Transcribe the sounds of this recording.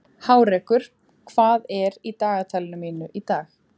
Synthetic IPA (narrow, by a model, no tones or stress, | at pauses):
haːwɾɛːkʏɾ̥ | kʰvaːðɛɾit̪aːɣat̪ʰalɪnʏmiːnʏʔit̪aːx